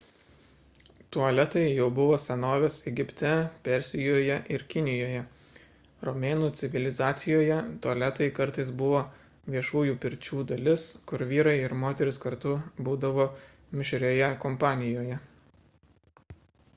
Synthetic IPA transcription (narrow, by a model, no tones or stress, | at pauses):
t̪uɐlʲɛt̪ɐɪjɛʊbʊʋoːsʲɛnoːʋʲesɛɡʲɪpʲt̪ʲɛpʲɛɾʲsʲɪjoːjɛʔɪɾkʲɪnʲɪjoːjɛ | ɾɔmʲeːnuːt̪sʲɪʋʲɪlʲɪzɑːt̪sʲɪjoːjɛt̪uɐlʲɛt̪ɐɪkɐɾt̪ɐɪsbʊʋoː | ʋʲiɛʃuːjuːpʲɪɾʲt͡ʃʲuːd̪ɐlʲɪskʊɾʋʲiːɾɐɪɪɾmoːt̪ʲɛɾʲɪskɐɾt̪ʊbuːd̪ɐʋoː | mʲɪʃʲɾʲoːjɛkɔmpɑːnʲɪjoːjɛ